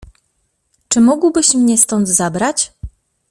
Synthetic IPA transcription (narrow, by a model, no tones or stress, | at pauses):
t͡ʂɘmɔɡwbɘɕmɲɛst̪ɔnd̪zabɾat͡ɕ